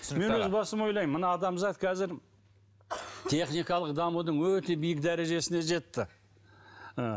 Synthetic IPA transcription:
me̞nwɵzbɑsəmo̞jlˠɑjmːənɑːd̪ɑmzɑt̪kʲʰæzɪɾ | t̪ʰe̞χnijkɑlˠəq̚d̪ɑmud̪əɴwɵt̪e̞bijɪk̚d̪æɾe̞ʒe̞sɪne̞ʒe̞t̪ːɪ | ə

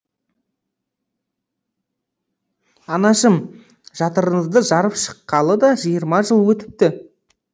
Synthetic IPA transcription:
ɑnɑʃəm | ʒ̥ɑt̪əɾəɴəzd̪əʒɑɾəpʃə̥qːɑlˠəd̪ɑʒijəɾmɑʒəlˠwɵt̪ɪ̥p̚t̪ɪ

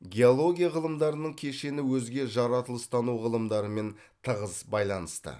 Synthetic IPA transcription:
ɡʲeolˠo̞ɡʲijaʁəlˠəmd̪ɑɾənəɴkʲʰe̞ʃe̞nɪwɵzɡʲe̞ʒɑɾɑt̪əlˠəst̪ɑnuʁəlˠəmd̪ɑɾəme̞n | t̪ʰəʁəzbɑjlˠɑnəst̪ə̰

